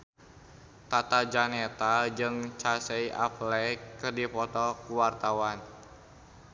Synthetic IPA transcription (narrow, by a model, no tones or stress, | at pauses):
t̪at̪ad͡ʒanɛt̪ad͡ʒɨŋt͡ʃasɛiʔa̰plɛkɨrdipɔt̪ɔkuwart̪awan